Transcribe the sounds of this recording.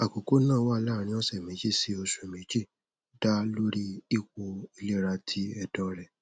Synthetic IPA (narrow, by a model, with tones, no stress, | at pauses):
a˨ko˨ko˨˦nãː˦˨˦wa˦˧˦la˦˨ɾ̃ĩ˧˦ɔ˦sɛ˦˨mĩ˨˦d͡ʒi˦˨si˦o˧ʃũ˨e˨mĩ˨˦d͡ʒi˦˨ | da˦lo˦ɾi˦i˦˨ko˧i˧le˦ɾa˧tʰi˦ɛ˧dɔ̃˦ɾɛ˨